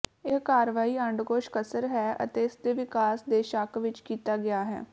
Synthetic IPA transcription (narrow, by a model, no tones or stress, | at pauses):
ekaːɾʋaːiːəɳɖɡoːʃkəsəɾɦɛːə̰t̪eːɪsd̪eːʋɪkaːsd̪eːʃakʋɪt͡ʃkiːt̪aːɡɪaːɦɛ̰ː